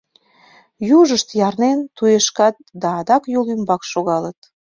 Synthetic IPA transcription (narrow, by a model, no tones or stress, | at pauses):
juʒəʃt̪jɑrnent̪ujeʃkɑt̪̚d̪ɑːd̪ɑkjolymbɑkʃoɣɑlət̪̚